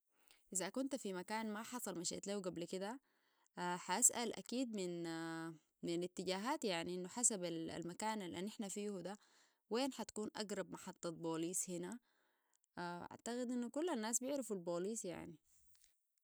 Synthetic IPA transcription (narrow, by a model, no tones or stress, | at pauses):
ʔɪzakunt̪fimakaːnmaħɑsˤɑlmaʃḛʔt̪laːwɡablkid̪a | ħaʔasʔalʔa̰kiːd̪̚mɪn | mɪnɪt̪ːiɟaːɦaːt̪jaʕniʔɪnːuħasabala̰lmakaːnalʔa̰ːnːʔɪħnafiːhud̪a | weːnħat̪ḁkuːnʔa̰ɡɾˤɑb̚mɑħɑt̪ˤːɑt̪̚boːliːshina | aʔa̰ʕt̪aɣid̪ʔinːukulːanːaːsbɪʕɾafalboːliːsja̰ʕni